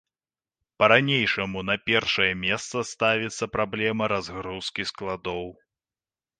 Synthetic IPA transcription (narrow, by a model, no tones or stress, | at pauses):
pɐɾanʲejʂɐmun̪ɐpʲɛrʂɐjɛmʲɛst̪sɐst̪avʲit̪sːɐpɾablʲɛmɐɾazɣɾuskʲisklˠad̪ɔw